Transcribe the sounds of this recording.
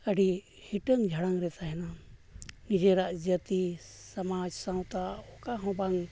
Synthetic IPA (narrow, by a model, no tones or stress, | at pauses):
əɖi | hiʈəŋd͡ʒʱɐɽaŋɾɛt̪aɦina | nid͡ʒeɾad͡ʒjət̪i | sɐmaːd͡ʒsãwt̪aokaɦõbaŋ